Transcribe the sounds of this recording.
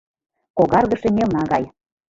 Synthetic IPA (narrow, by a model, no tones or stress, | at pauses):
koɣɑrɣɤ̆ʃĕmʲelnɑɣɑj